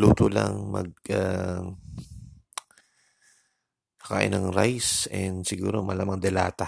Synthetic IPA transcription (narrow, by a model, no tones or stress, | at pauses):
luːt̪ola̰ŋmɐ̰ɡ̚a | kɐ̥ka̰ːʔɪ̰nɐŋɾajsɛnd̪sɪɡuːɾo̞mɐlaːmɐŋd̪ɛla̰ːt̪a